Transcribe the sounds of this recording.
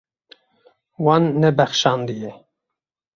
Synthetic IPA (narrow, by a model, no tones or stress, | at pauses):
wɑnːɛbɛxʃɑnd̪ijɛ